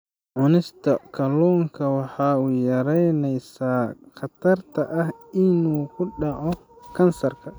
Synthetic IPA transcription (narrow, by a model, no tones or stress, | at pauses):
ʕʊnɪst̪ʰɐkʰɐlɔːŋkʰɐwɑħɑːʊjɐɾɛjnɛjsaːχɐt̪ʰɐrt̪ʰɐʔɐhɪnuːkʰʊɖɑʕɔ | kʰɐnsɐrkʰɐ